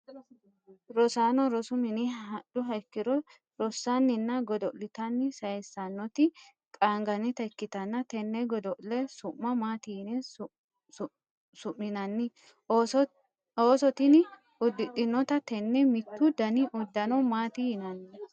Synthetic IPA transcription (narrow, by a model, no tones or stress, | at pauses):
ɾɔsaːnɔɾɔsʊmɪnɪhɐᶑʊɦɐjkːɪɾɔ | ɾɔsːɐnːɪnːɐɡɔd̪ɔlɪt̪ɐnːɪsɐjɛsːɐnːɔt̪ɪ | kʼaːŋɡɐnɪt̪ɐɪkːɪt̪ɐnːɐt̪ɛnːɛɡɔd̪ɔʔlɛsʊmːɐmaːt̪ɪnɛ | sʊmːɪnɐnːɪ | oːsɔt̪ɪn | ʊd̪ːɪtʼːɪnːɔt̪ɐt̪ɛnːɛmɪt̪ːʊd̪ɐnɪʔʊd̪ːɐnɔmaːt̪ɪhɪnɐnːɪ